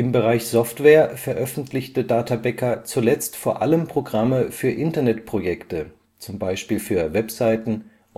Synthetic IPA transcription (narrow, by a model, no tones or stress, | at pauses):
ʔɪmbəʁaɪçz̥ɔftv̥ɛːɐfɛɐʔœfn̩tlɪçtədaːtʰabɛkɐt͡suːlɛt͡stfoːɐʔaləmpʁ̥oɡʁaməfyːɐʔɪntɐnɛtpʁ̥ojɛktə | t͡sʊmbaɪʃpiːlfyːɐvɛpz̥aɪtn̩